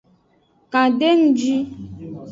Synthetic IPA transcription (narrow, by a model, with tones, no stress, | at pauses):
kã˨ɖe˦ŋu˦d͡ʒi˦